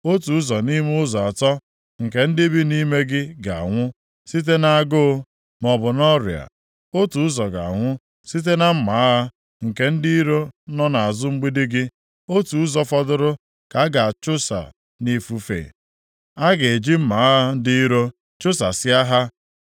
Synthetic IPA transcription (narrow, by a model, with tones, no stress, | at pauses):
o˦tu˨ʊ˦zɔ˨ni˦m˦ʊ˦zɔ˨a˨tɔ˦ | ŋ̩˨ke˨n̩˦dɪ˦bi˦ni˦me˦ɡɪ˦ɡa˨a̰˨ŋʷʊ˦ | si˦t̬e˦na˦a˦ɡo˦ | mɔ˨bʊ˨nɔ˦ɾj̰a̰˨ | o˦tu˨ʊ˦zɔ˨ɡa̰˨a˨ŋʷʊ˦ | si˦t̬e˦na˦m̩˦ma˨a˦ɦa˦ | ŋ̩˨ke˦n̩˦di˦i˦ɾo˦nɔ˦na˨a˨zʊ˦ŋ͡m̩˦ɡ͡bi˦dɪ˦ɡɪ˦ | o˦tu˨˦zɔ˦fɔ˦dʊ˦ɾʊ˦ | ka˨a˦ɡa˨a˨t͡ʃʊ˦sa̰˨ | ni˦fu˦fḛ˨ | a˦ɡe˨e˨d͡ʒi˦m̩˦ma˨a˦a˦n̩˦di˦i˦ɾo˦ | t͡ʃʊ˦sa˨sɪ˦a˦ɦa˦